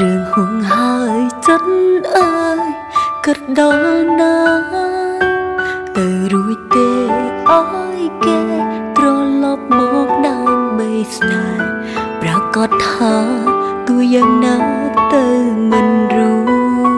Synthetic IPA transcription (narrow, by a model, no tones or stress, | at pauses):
rɨhuŋhaəjt͡ɕət̚nʔə | kɨt̪̚ɗɑnaː | t̪ɨwɾuəc̚t̪eːʔajkeːt̪rɔlɑp̚mɔk̚ɗaəmɓəjsna | prakɑt̪̚ʰhaːt̪uəjaːŋnaːt̪ɨwmɨnru